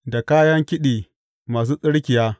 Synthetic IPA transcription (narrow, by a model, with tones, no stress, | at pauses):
da˨kaː˦jɐ˦ŋkʲɪ˦ɗiː˨ | maː˨s̬uː˦sʼɪ˦ɽkʲɪ˨jaː˦